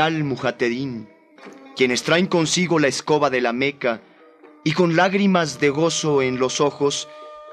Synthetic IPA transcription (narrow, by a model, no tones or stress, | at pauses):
almuxat̪eðin | kje̞ne̞st̪ɾaeŋko̞nsiɣo̞laesko̞βaðe̞lame̞ka | iko̞nlaɣɾimazðe̞ɣo̞so̞enlo̞so̞xo̞s